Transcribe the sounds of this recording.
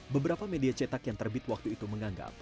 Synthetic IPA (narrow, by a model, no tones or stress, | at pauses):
bəbəɾapamediat͡ʃɛt̪akjaŋt̪ərbɪt̪wak̚t̪uit̪uməŋaŋɡa̰p̚